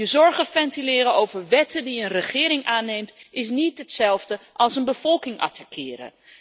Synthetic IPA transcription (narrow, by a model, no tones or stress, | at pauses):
əzɔɹχəfɛntilɪːɾəowvəɹʋɛtədiənrəχɪːɾɪŋʔaːnejmtɪsnitɦətsɛlˠvdəʔɑlˠsənbəv̥ɔlˠkɪŋɑ̰tʰakʰɪːɾə̰